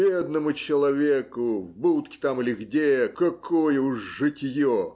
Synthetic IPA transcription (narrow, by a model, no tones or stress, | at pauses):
bʲed̪nəmʊt͡ɕɪlˠɐvʲekʊvbut̪kʲɪ̥t̪amɨlʲɪɣdʲekɐkʰojəuʂːɨtʲjo